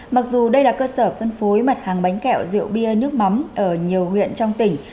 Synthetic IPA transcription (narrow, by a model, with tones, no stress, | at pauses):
ma˨˩k̚zu˨˩ɗə˧jlaː˨˩kəː˧səː˧˩fə˧nfo˨˦jmə˨˩t̚haː˨˩ŋɓa˨˦jŋ̟kɛ̰˧˨wzɨ̰˧˨əwɓi˧ənɨ˦˥ək̚ma˨˦mʔəː˧˩ɲi˨˩əwhwḭ˧˨ənt͡ɕɔ˧wŋ͡mt̪ï˧˩ŋ̟